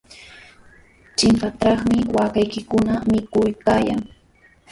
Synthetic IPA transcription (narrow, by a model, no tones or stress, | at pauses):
t͡ʃɪmpat̪ɑχmɪwakajkɪkʊnamɪkʊjkaːja̰ŋ